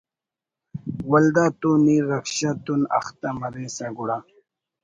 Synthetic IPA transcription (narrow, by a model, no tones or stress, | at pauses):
wɐld̪aːt̪uniɾɐkɕat̪unɐ̰xt̪amɐɾesɐɡuɽa